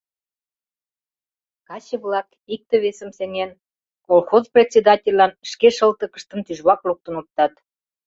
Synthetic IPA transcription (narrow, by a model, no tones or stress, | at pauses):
kɑt͡ɕəβlɑk | ik̚t̪ĕβesə̆mseŋen | kolˠxozprʲet̪ʲsʲed̪ɑtʲelʲːɑnʃkeʃəlt̪ə̆kə̥̆ʃt̪ə̆nt̪yʒβɑkluk̚t̪ə̆nop̚t̪ɑt̪